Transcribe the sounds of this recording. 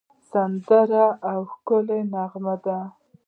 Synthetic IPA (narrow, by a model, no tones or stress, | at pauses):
sand̪aɾaːwxkʊlenaɣmad̪a